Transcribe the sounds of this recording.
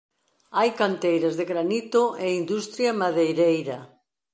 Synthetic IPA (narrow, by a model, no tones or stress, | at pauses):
ajkant̪ejɾɐzðɪɣɾanit̪ʊʔeind̪ust̪ɾjamaðejɾejɾɐ